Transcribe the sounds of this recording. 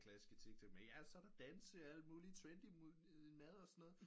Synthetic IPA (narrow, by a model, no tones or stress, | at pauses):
kʰlæsisɡ̥ət͡sʰeɡ̥̚t͡sʰeɡ̥me̥æsɒɾ̥ɑ̈d̥ænsəæld̥muːliət͡sʰʋend̥imu | mɛð̞ˠɒ̽sɒ̽nːɔ̽ːðˠ